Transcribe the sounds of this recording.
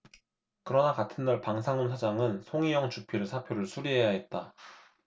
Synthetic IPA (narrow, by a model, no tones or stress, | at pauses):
kɯɾʌnakatʰɯnːaɭpaŋsʰaŋunsʰad͡ʑaŋɯnsʰoŋijʌŋt͡ɕuk̚pʰiɾɯsʰapʰjoɾɯɭsʰuɾiɦe̞jaɦe̞t̚t͈a